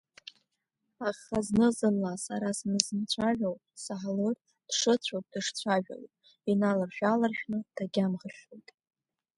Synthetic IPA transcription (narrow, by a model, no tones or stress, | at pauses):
aχaznɨzɨnːasaɾasmɨzɨmt͡sʷʰaʒʲʷᶣowpʼsaħlɨr | d̥ʂɨt͡ɕʷʰowpʼd̥ɨʂt͡ɕʷʰaʒᶣa̰lpʼ | inalarʃᶣalarʃᶣnɨd̥ʰaɡʲamʁəʃʲojtʼ